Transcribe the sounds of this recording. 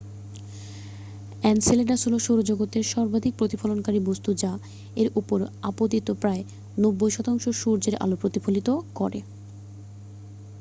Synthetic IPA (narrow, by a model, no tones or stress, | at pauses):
ɛnsileɖasuloʃoɾod͡ʑoɡot̪eɾʃɔɾbad̪ʱik̚pɾot̪ifalonkaɾibost̪ud͡ʑa | eɾupoɾapot̪it̪opɾae | nobːojʃɔt̪aŋʃoʃuɾd͡ʑeɾʔa̰lopɾot̪ifʰolit̪okɔɾḛ